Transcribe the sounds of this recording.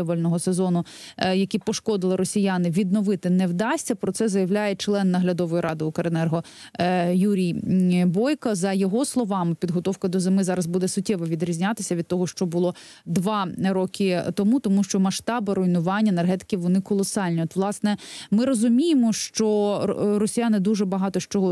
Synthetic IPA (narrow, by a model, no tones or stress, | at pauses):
ɔʋɐlʲnɔɦɔsezɔnʊjɐkʲipɔʃkɔd̪ɪlˠɪɾɔsʲijɑnɪʋʲid̪̚nɔʋɪt̪ɪnɛwd̪ɑsʲtʲɐpɾɔt̪sɛzɐjɐʋlʲajɛt͡ʃlˠɛnːɐɦlʲɐd̪ɔʋɔjiɾʔɑd̪ɪʊkɐɾenɛrɦɔ | juɾʲijbɔjkɐzɐjɔɦɔslˠɔʋɑmɪpʲid̪ɦɔt̪ɔwkɐd̪ɔzemɪzɑɾɐzbud̪ɛsʊtʲːɛʋɔʋʲid̪ɾʲizʲnʲat̪ɪsʲɐʋʲid̪̚t̪ɔɦɔʃt͡ʃɔbʊlˠɔ | d̪ʋɑɾɔkʰɪt̪ɔmut̪ɔmuʃt͡ʃɔmɐʃt̪ɑbɐɾɔjnʊʋɑnʲːɐenerɦɛt̪ɪ̥kʲiʋɔnɪkɔlˠɔsɑlʲnʲiɔt̪ʋlˠɑsnɛmɪɾɔzʊmʲijemɔʃt͡ʃɔɾɔsʲijanɪd̪uʒɛbɐɦɑt̪ɔʃt͡ʃɔɦɔ